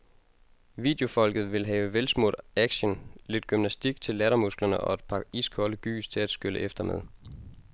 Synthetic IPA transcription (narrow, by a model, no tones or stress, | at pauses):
ʋḭːd̥jo̝fɒ̽l̰ɡ̥ð̞̩ˠʋe̝lɦɛ̰ːʊəʋelsmo̰d̥æɡ̥ɕənle̝d̥̚ɡ̥ymnæsd̥iɡ̥t͡sʰe̝lːæɾɐmusɡ̥lɐnəʔɒ̽e̝d̥pʰɑ̥̈iskʰɒləɡ̥y̰ːst͡sʰe̝læd̥sɡ̥øləʔefd̥ɐmeðˠ